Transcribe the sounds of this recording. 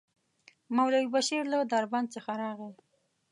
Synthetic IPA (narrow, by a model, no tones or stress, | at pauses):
mawlawibaʃiɾlod̪aɾband̪̚t͡səxaɾɑɣe